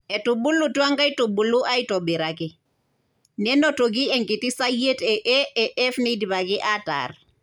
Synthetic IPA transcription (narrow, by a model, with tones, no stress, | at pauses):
ɛ˨tu˨ɓu˦lu˨twa˦ŋɡa˦i˦tu˨ɓu˨lu˦ʔa˦i˦tɔ˨ɓɛ˨ɾa˨kɪ˨ | nɛ˦nɔ˦to˨k̬i˦ɛŋki˨ti˦sa˦je˦tɛ˨ʔɛ˦ɛ˨ʔɛ˦fne˦di˨βa˨kɪ˦ʔa˦ta̰r